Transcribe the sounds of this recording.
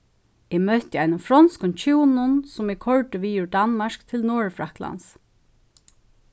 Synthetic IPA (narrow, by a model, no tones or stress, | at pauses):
ɛmœht̪ɪajnʊfɾɔnskʊnt͡ʃʰuːnʊnsʊmɛkʰɔɹʈ̪ʏʋiːʊɹd̪anmaʂkt̪ʰɪlnɔːɹfɹakla̰ns